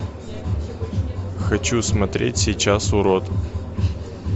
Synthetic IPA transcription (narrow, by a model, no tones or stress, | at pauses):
xɐt͡ɕusmɐt̪ɾʲḛtʲsʲɪjt͡ɕasʊɾot̪